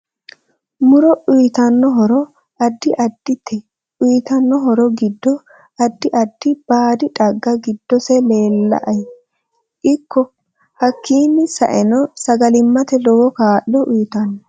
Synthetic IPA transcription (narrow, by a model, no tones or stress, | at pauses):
mʊɾɔʔʊjt̪ɐnːɔɦɔɾɔ | ʔɐd̪ːɪʔɐd̪ːɪt̪ɛ | ʊjt̪ɐnːɔɦɔɾɔɡɪd̪ːɔ | ɐd̪ːɪʔɐd̪̥ːɪb̥aːd̪ɪᶑɐɡːɐɡɪd̪ːɔsɛleːlːɐ̰ʔɐj | ʔɪkʰːɔ | hɐkːiːnːɪsɐ̰ʔɛnɔsɐɡɐlɪmːɐt̪ɛlɔwɔkaːʔlɔʔʊjt̪ɐnːɔ